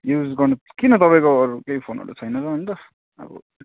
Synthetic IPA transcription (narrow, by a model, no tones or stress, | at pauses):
jud͡zɡʌrnu | kinʌt̪ʌpaĩkoʌɾukejpʰonɦʌ̰ɾṵt͡sʰʌjnʌɾʌʌnt̪ʌ | ʌ̰bʌ̰